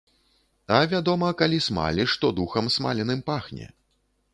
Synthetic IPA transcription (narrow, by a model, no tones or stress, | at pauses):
ɐvʲad̪ɔmɐkalʲisma̰lʲiʂt̪ɔd̪uxɐmsma̰lʲɛnɨmpaxnʲɛ̰